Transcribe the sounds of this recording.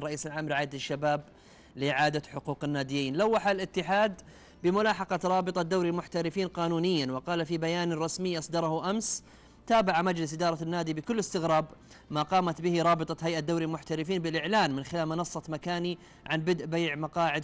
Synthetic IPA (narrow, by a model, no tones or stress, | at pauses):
rˤɑʔiːsalʕaːmɾɪʕaːɪd̪aʃːabaːb̚ | lɪʔɪʕaːd̪aħʊquːqɪnːaːd̪ɪjːiːnlawːaħalʔɪt̪ːɪħaːd̪ | bɪmʊlaːħɑqɑɾˤɑːbɨt̪ˤɑd̪ːawɾilmʊħt̪aɾɪfiːnqɑːnuːnɪjːanwɪqɑːlafibajaːnɾˤɑsmɪjːʔɑsˤd̪ɑɾˤɑhuʔams | t̪aːbaʕamad͡ʒlɪsʔɪd̪ɑːɾˤɑnːaːd̪ibɪkʊlːɪst̪ɪɣɾɑːb | maqɑːmat̪bɪhɪɾˤɑːbɨt̪ˤɑɦajʔad̪ːawɾilmʊħt̪aɾɪfiːnbɪlʔɪʕlaːnmɪnxɪlaːlmɪnɑsˤːɑmakaːni | ʕanbɪd̪ʔbajʕmɑqɑːʕɪd̪